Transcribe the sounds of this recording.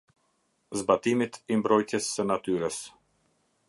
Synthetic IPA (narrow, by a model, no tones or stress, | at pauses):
zbat̪imit̪imbɾɔjcɛsːənat̪yɾəs